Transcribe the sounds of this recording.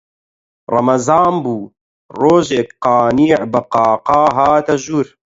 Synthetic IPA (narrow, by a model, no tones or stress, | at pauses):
rˤɐ̰mɐzɑːmbuː | roːʒeːk̚qɑːniːʕbɨqɑːqɑːɦaːt̪ɐʒuːɾ